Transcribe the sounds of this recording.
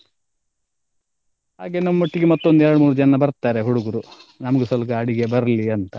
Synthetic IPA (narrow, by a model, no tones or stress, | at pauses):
ha̰ːɡenɐmːɐoʈːiɡemɐt̪ːo̞nd̪uɛɾɐɽumuːɾud͡ʒɐnːɐbɐɾt̪ːaːɾeɦuɽuɡuɾunɐmɐɡesɐlɐkɐɐɽiɡe̞bɐɾliɐnt̪ɐ